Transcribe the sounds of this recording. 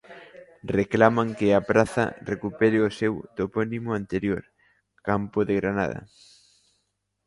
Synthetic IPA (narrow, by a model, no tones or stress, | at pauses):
reklamaŋkɪapɾaθɐ̰rekupɛɾɪosewt̪opɔnimʊant̪eɾjoɾ | kampoðeɣɾana̰ð̞ɐ̰